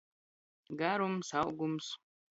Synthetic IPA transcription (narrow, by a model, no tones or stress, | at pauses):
ɡaɾumsaʔɡums